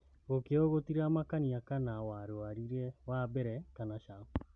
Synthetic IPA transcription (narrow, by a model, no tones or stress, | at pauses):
ɣokeɔɣotiɾamakaniakanawaɾoaɾiɾɛwabɛɾɛkanaʃao